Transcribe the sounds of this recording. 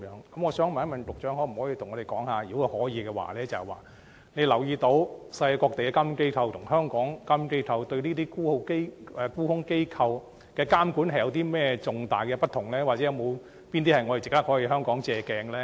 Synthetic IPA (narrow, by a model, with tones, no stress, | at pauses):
jœː˨˥ŋkɐ˨˥mŋɔ˨˧sœː˨˥ŋm˨˩ɐ˥mɐ˨˩nt̪ʊ˨k̚t͡ʃœː˨˥ŋhɔː˨˥m̩˨˩hɔː˨˥ji˧t̪ʊ˨˩ŋɔː˨˧ɾe˨jkɔː˨˥ŋhaː˨˧jiː˨˥whɔː˨˥jiː˨˧kɛː˧wa̰ː˨˩lɛː˥t͡sɐ˨hɐ˨˩wa̰ː˨˩ | ne˨˧jlɐ˨˩wjiː˧t̪o˧˥wsɐ˧jkɔː˧k̚t̪e˨kɛ˧kaː˥mke˥jk̪ʰɐ˧wt̪ʰʊ˨˩ŋɦœː˥ŋkɔː˨˥ŋkaː˥mke˥jk̪ʰɐ˧wt̪ɵ˧ɥniː˥t̪iː˥kuː˥ho˧˥wke˥ɛː˨˧kuː˥hʊ˥ŋke˥jkʰɐ˧w | kɛː˧kaː˥mkuː˨˥nhɐ˩jɐ˧wt̪̬iː˥mɛː˥t͡sʊ˨ŋt̪aː˨˩jkɛ˧pɐ˥t̚t̪ʰːʊ˨˩ŋlɛː˥wa˨ɛ˨˦jɐ˨˧wmo˨˧w | piː˥nt̪̬iː˥hɐ˨˩jŋɔ˨˧t̪e˨˩t͡sɪ˨k̚t̪ɐ˥hɔː˨˥jiː˧ɦœː˥ŋkɔː˨˥ŋt͡sɛː˧kɛː˧ŋ˧lɛː˥